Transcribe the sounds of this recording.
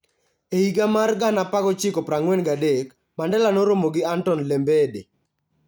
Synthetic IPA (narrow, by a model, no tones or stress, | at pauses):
eiɡamarɡanapakɔt͡ʃɪkɔpɾaŋwɛnɡadek | mandɛlanoɾomoɡɪantɔnlembede